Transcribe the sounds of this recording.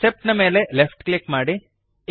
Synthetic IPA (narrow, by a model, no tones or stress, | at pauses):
sep̚ʈnɐme̞ːle̞lefʰʈklikːmaːɽi